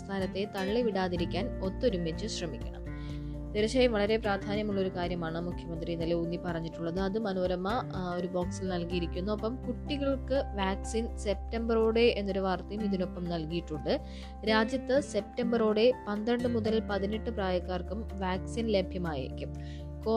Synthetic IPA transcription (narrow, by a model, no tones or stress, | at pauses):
st̪ʰaːnɐt̪ːe̞t̪ɐɭːeʋiɽaːðiɾikʲːaːno̞t̪ːo̞ɾumet͡ɕːɨɕrɐmikʲːɐ̰ɳɐ̰m | t̪eɾɐɕɐjɐmʋɐɭɐɾe̞praːd̪ʱaːnjɐmuɭːɐo̞ɾukaːɾjɐmaːɳɨmukʰjɐmɐnd̪riinːɐleunːipɐrɐɲːiʈːuɭːɐðɨɐðɨmɐnoːɾɐmːɐo̞ɾubo̞ːksilnɐlkijiɾikʲːunːɐːpːɐmkuʈːiɣɐɭkɨʋaːksinse̞p̚tɐmbɐroːɽe̞enːo̞ɾuʋaːrt̪ːɐjumiðino̞pːɐmnɐlkijiʈːuɳɖɨ | ɾaːd͡ʑjɐt̪ːɨse̞p̚tɐmbɐroːɽe̞pɐnd̪ɐɳɖɨmuðɐlpɐðineʈːɨpraːjɐkːaːrkumʋaːksinle̞bʱjɐmaːjḭɾḭkʲːum | ko